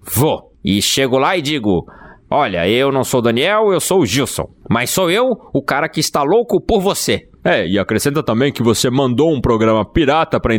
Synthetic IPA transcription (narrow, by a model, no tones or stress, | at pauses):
vo | ɪʃeɡʊlaɪd͡ʒiɡʊɔʎɐ̰ewnɐ̃w̃sowd̪ɐniɛwewsowʒiwsõ̰w̃mɐsːowewʊkaɾɐkɪːst̪alokʊpoɾvose | ɛɪakɾesẽnt̪ɐt̪ɐ̃mbẽj̃kɪvosemɐ̃nd̪oũpɾoɡɾɐ̃mɐpiɾat̪ɐpɾɐẽ